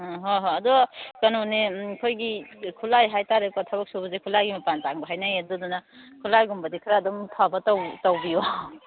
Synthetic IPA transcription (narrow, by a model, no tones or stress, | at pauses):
ɦoɦoɐdɔkɐnonekʰojɡikʰulajɦajtaɾekɔtʰabɐk̚subɐzekʰulajɡimɐpantaŋbɐɦajnajedɔdɔnakʰulajɡumbɐdikʰɾaːdɔmpʰabɐtawtawbijɔ